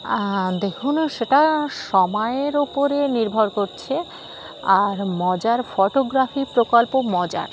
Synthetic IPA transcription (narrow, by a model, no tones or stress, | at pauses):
d̪ekʰunʃeʈaʃɔmɔeeɾupoɾeniɾbʱoɾkoɾt͡ɕʰe | aɾmɔd͡ʑaɾfɔʈoɡɾafipɾokolpomɔd͡ʑa̰ɾ